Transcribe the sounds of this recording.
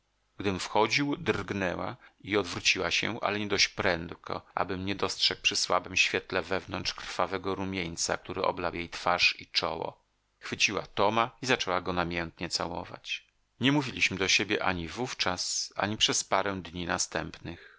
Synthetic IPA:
ɡ̥d̪ɘmfxɔd͡ʑiwd̪rɡnɛwa̰iɔd̪vɾut͡ɕiwaɕɛ̰ʔa̰lɛɲɛd̪ɔɕt͡ɕpɾɛnt̪kʰɔ̰ʔa̰bɘmɲɛd̪ɔstʂɛk̚pʂɘswabɘmɕfʲjɛt̪lɛvɛvnɔnt͡ʂkɾ̥favɛɡɔɾumʲjeɲt̪sa̰k̚t̪uɾɘʔɔ̰blawjejt̪faʂit͡ʂɔ̰wɔ̰ | xfɘt͡ɕiwa̰t̪ɔmaizat͡ʂɛwaɡɔnamʲjɛnt̪ɲɛt̪sawɔ̰va̰t͡ɕ | ɲɛmuvʲilʲiɕmɘd̪ɔɕebʲjɛʔaɲivuft͡ʂasa̰ɲipʂɛspaɾɛw̃d̪ɲinast̪ɛmpnɘx

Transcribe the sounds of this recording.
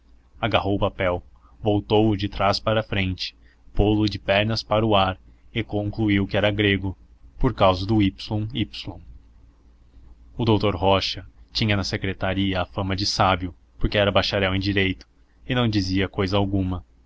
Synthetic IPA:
aɡaɦowʊpapɛw | vowt̪owʊd͡ʒɪt̪ɾaspaɾɐfɾẽnt͡ʃɪ̥ | polʊd͡ʒɪpɛɾnɐspaɾʊaɾ | ɪkõŋkluiwkɪɛɾɐɡɾeɡʊpoɾkawzɐd̪ʊipslõipslõ | ʊd̪owt̪oɾɦɔʃɐt͡ʃĩɲɐnɐsekɾet̪aɾiɐːfɐ̃mɐd͡ʒɪsabjʊ | poɾkeɛɾɐbajʃaɾɛwẽj̃d͡ʒiɾejt̪ʊ̥ | ɪnɐ̃w̃d͡ʒiziɐkojzɐawɡũmɐ

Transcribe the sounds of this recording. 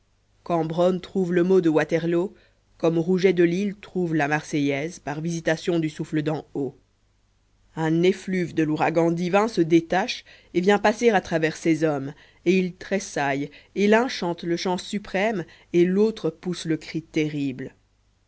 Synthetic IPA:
kɑ̃bʁɔnt̪χuvləmod̪əwat̪ɛʁlo | kɔmʁuʒɛd̪əlilt̪χuvlamaʁsɛjɛzpaʁvizit̪asjɔ̃d̪ysufləd̪ɑ̃o | ɛ̃neflyvd̪əluʁaɡɑ̃d̪ivɛ̃səd̪et̪aʃ | evjɛ̃paseʁat̪χavɛʁsezɔm | eilt̪χesajelɛ̃ʃɑ̃t̪ləʃɑ̃sypχɛm | elot̪χəpusləkχit̪ɛʁibl

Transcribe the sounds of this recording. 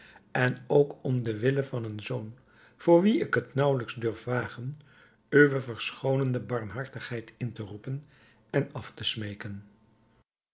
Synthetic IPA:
ɛnowkʰɔmdəʋɪləvɑnənzown | v̥ʊːɹʋiɪkɦətnʌwləkzdɵɹfʋaːχən | øʋəvəɹsχownəndəbɑɹmɦɑɹtəχɦɛjtɪntərupən | ɛnɑftəsmejkən

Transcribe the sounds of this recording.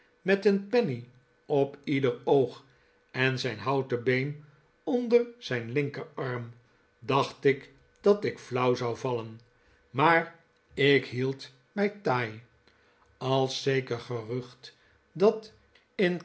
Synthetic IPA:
mɛtənpɛni | ɔpidəɹowχ | ɛnzɛjnɦɑwtəbejn | ɔndəɹz̥ɛjnlɪŋkəɹɑɹm | dɑχtɪk | d̥ɑtɪkflʌwzɑwvɑlən | maːɹ | ɪkɦilˠt | mɛjtaːj | ɑlˠsejkəɹχərɵχt | dɑt | ɪn

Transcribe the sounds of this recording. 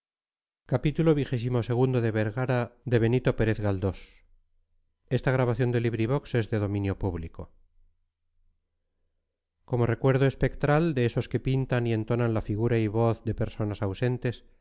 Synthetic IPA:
kapit̪ulo̞βixe̞s̬imo̞se̞ɣ̞und̪oðe̞βeɾɣaɾaðe̞βe̞nit̪o̞pe̞ɾe̞θɣald̪o̞s | e̞st̪aɣ̞ɾaβaθjo̞nd̪e̞liβɾiβ̞o̞kse̞zðe̞ðo̞mĩnjo̞puβliko̞ | ko̞mo̞re̞kwe̞ɾðoe̞spe̞kt̪ɾald̪e̞eso̞ske̞pint̪anie̞nt̪o̞nanlafiɣ̞uɾaiβo̞θðe̞pe̞ɾso̞nasawse̞nt̪e̞s

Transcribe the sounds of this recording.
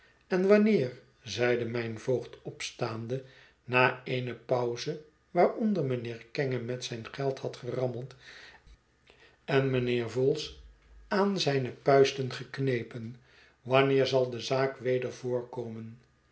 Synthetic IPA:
ɛnʋɑnɪːɹ | zɛjdəmɛjnvowχtɔpstaːndə | naːeɪnəpʌwzə | ʋaːɹɔndəɹmənɪːɹkɛŋəmɛtsɛjnχɛlˠthɑtχərɑməlˠt | ɛnmənɪːɹvɔlˠs | aːnzɛjnəpœɥstənχəknejpən | ʋɑnɪːɹzɑlˠdəzaːkʋejdəɹvʊːɹkoːmən

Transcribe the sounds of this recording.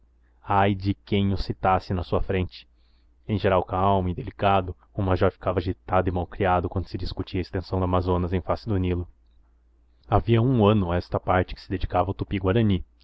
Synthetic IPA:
ajd͡ʒɪkẽj̃ʊsit̪asɪnɐsuɐfɾẽnt͡ʃɪ̥ | ẽj̃ʒeɾawkawmid̪elikad̪ʊ | ʊmaʒɔɾfi̥kavɐaʒit̪ad̪ʊɪmawkɾiad̪ʊkwɐ̃nd̪ʊsɪd͡ʒiskut͡ʃiɐest̪ẽsɐ̃w̃d̪amazõnɐzẽj̃fasɪd̪ʊnilʊ | aviɐũɐ̃nʊɛst̪ɐpaɾt͡ʃɪ̥kɪ̥sɪd̪ed͡ʒikavɐawt̪upiɡwaɾɐ̃ni

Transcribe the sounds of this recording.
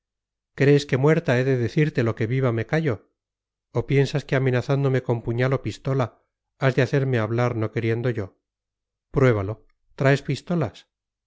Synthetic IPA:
kɾe̞ːske̞mwe̞ɾt̪ae̞ðe̞ðeθiɾt̪e̞lo̞ke̞βiβame̞kaʝo̞ː | pje̞nsaske̞amẽ̞naθand̪o̞me̞ko̞mpuɲalo̞pist̪o̞la | azðe̞aθe̞ɾme̞aβ̞laɾno̞ke̞ɾje̞nd̪o̞ʝo̞ | pɾwe̞βalo̞ | t̪ɾae̞spist̪o̞las

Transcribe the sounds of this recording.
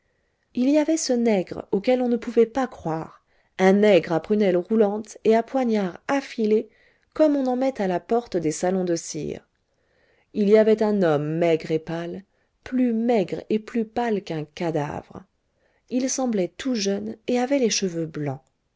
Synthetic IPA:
iliavɛsənɛɡʁokɛlɔ̃nəpuvɛpakχwaʁ | ɛ̃nɛɡʁapχynɛlʁulɑ̃t̪eapwaɲaʁafile | kɔmɔ̃nɑ̃mɛt̪alapɔʁt̪d̪esalɔ̃d̪əsḭʁ | iliavɛt̪ɛ̃nɔmːɛɡʁepal | plymɛɡʁeplypalkɛ̃kad̪a̰vʁ | ilsɑ̃blɛt̪uʒœneavɛleʃəvøblɑ̰̃

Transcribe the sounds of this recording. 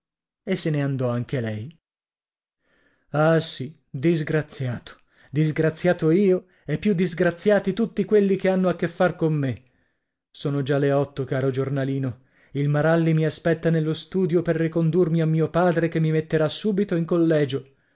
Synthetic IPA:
esːeneand̪ɔaŋk̟elɛj | asi | d̪izɡɾat̪sjaːt̪o̥ | d̪izɡɾat̪sːjaːt̪oiːo | epːjud̪ːizɡɾat̪sːjaːt̪it̪ut̪ːikwelːikeanːoakːefːarkomːe | soːnod͡ʒaleɔt̪ːokaːɾod͡ʒornaliːno | ilmaɾalːimiaspɛt̪ːanelːost̪uːd̪joperːikond̪urmiamːiːopaːd̪ɾekemːimet̪ːeɾasːuːbit̪oiŋkolːɛːd͡ʒo

